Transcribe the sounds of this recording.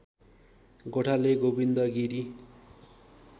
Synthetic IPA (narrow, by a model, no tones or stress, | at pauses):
ɡoʈʰaleɡobind̪ʌɡiɾi